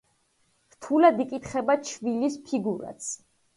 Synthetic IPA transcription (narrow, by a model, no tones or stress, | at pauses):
ɾt̪ʰulad̪ikʼit̪χɛbat͡ʃʰvilispʰiɡuɾa̰t̪sʰ